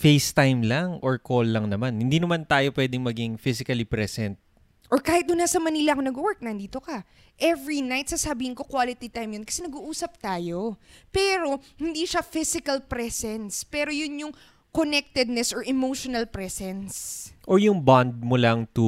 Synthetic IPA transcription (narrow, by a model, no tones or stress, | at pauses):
fejst̪ajmlaŋʔoɹkolːɐŋnɐmanhɪnd̪iːnɐmant̪aːjo̞pwɛːd̪ɪŋmɐɡiŋfisɪkɐlipɾɛsɛnt̪̚ | ʔoɹkaːhɪt̪̚d̪ʊnːasɐmɐniːlɐʔɐkonɐɡowɛɹk̚nɐnd̪iːt̪o̞kɐ | ʔɛvɹinajt̪̚sɐsɐbiːhɪnko̞kwaːlɪt̪it̪ajmjonkɐ̥sɛnɐɡuʔuːsɐp̚t̪aːjo̞pɛːɾo̞hɪnd̪iʃafɪsɪkɐlpɾɛsɛnspɛːɾo̞jʊnjʊŋ | konɛk̚t̪ɛd̪̚nɛsʔɔɹʔɛmowʃonɐlpɾɛsɛnsʔoɹjʊŋband̪̚mʊlaŋt̪u